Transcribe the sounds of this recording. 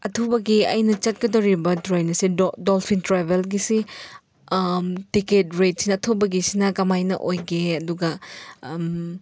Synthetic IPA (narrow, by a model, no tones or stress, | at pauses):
ɐtʰobɐɡiɐ̰jnɐt͡ʃɐt̚ɡɐdɐwɾibɐdɾojnɐsidolpʰintɾabelɡisi | tiket̚ɾet̚sinɐɐtʰobɐɡisinɐkɐmajnɐ̰ʔojɡeɐduɡɐ